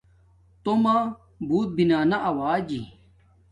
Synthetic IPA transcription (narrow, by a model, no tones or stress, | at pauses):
t̪oma | buːt̪̚binaːnaʔɐwaːd͡ʑḭ